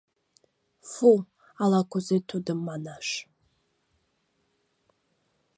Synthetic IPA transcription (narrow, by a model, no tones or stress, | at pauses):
fu | alakʷʰʊzejtʰudɨmːanaʂ